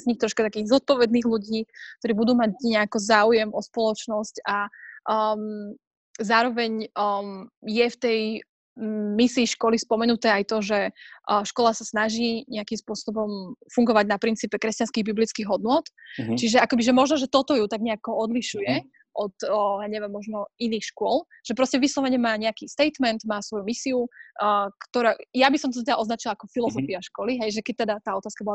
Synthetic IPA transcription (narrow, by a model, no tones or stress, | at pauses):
zɲixt̪ɾɔʃkat̪akiːɣzɔt̪̚pɔʋɛd̪niːɣluɟiːk̚t̪ɔɾiːbud̪uːmaɟɲɛakɔzaːujɛmʔɔspɔlɔt͡ʃnɔsca | m | zaːɾɔʋɛɲ | jɛft̪ɛj | misiːʃkɔlispɔmɛnut̪ɛːajt̪ɔʒɛʃkɔlasasnaʒiːɲɛakimspʊɔsɔbɔmfuŋɡɔʋaɟnapɾint͡siːpɛkɾɛscanskiɣbiblit͡skiɣɦɔd̪nʊɔt̪t͡ʃiʒɛakɔbiʒɛmɔʒnɔʒɛt̪ɔt̪ɔjut̪aɡɲɛakɔɔd̪liʃujɛ | ʔɔt̪jaːɲɛʋɛmːɔʒnɔiniːxʃkʊɔl | ʒ̥ɛpɾɔscɛʋislˠɔʋɛɲɛmaːɲɛakist̪ɛjt̪mɛnt̪maːsʋɔjumisiu | kt̪ɔɾajabisɔmt̪ɔt̪ɔɛd̪aʔɔznat͡ʃilaakɔfilɔzɔfiaʃkɔliɦɛjʒɛkɛc̚t̪ɛd̪at̪aːɔt̪askabɔla